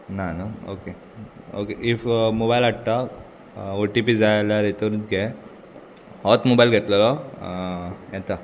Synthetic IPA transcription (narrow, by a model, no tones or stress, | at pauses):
nanao̰ke | o̰keʔifmobajlaʈt̪a | oʈipid͡zajlaɾet̪əɾut͡sɡɛ | hɔt̪mobailɡʱet̪ləlɔ | jɛt̪a